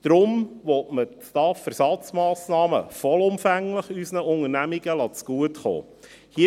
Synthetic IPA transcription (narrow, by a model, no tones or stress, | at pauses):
d̪̥ɾʊmʋɔtmət͡stɑːfɛɾsɑt͡smɑːsnɑːmə̰fɔlʊmfæŋləχysnəʊŋəɾnæmiɡəlɑt͡sɡ̥uətχo̰ː | hi